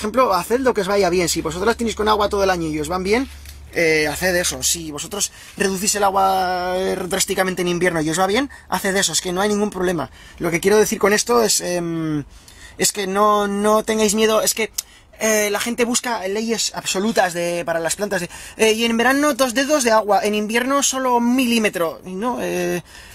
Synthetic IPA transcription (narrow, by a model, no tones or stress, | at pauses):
oxe̞mplo̞aθeld̪okeβajaβje̞nsiβo̞sot̪ɾlast̪eneskonaɣwat̪oð̞olaɲoio̞zβambje̞n | eaθeðe̞so̞siβo̞so̞t̪ɾo̞s | re̞ðuθise̞laɣwa | dɾast̪ikamẽnt̪enĩmbje̞ɾnoio̞zβaβ̞je̞n | a̰θe̞ðe̞soeske̞no̞ajnĩŋɡumpɾole̞ma̰ | lo̞ke̞kjeɾo̞ðe̞θiɾko̞ne̞st̪o̞e̞sem | e̞ske̞no̞no̞t̪e̞ŋɡajzmje̞ð̞o̞e̞ske̞ | elaxe̞nt̪e̞βuskale̞je̞saβso̞lut̪azðe̞paɾalasplant̪azðeeie̞nmbe̞ɾano̞ðo̞zðe̞ðo̞zðe̞aɣwaʔe̞nĩmbje̞ɾno̞so̞lo̞milime̞t̪ɾo̞no̞e